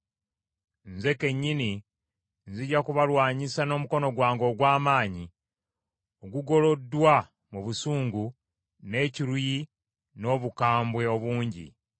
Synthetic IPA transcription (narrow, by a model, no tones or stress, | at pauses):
nze̞ke̞ɲːini | nziɟakuβalwaːɲisano̞ːmuko̞no̞ɡwaːŋɡo̞ːɡwaːmaːɲi | o̞ɡuɡo̞lo̞dːwa | muβusuːŋɡu | ne̞ːciɾuji | no̞βukaːmbwe̞o̞βuːɲɟḭ